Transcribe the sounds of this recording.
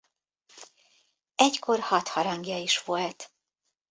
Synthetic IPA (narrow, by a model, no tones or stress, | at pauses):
ɛckʰo̞rhɒt̪hɒɾɒŋɡjɒiʃʋo̞lt̪